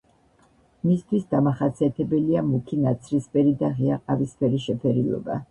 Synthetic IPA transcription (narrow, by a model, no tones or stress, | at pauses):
mist̪ʰwisd̪amaχat̪sʰiat̪ʰɛbɛliamukʰinat̪sʰɾispʰɛɾid̪aʁiaqʼavispʰɛɾiʃɛpʰɛɾilˠɔ̰ba̰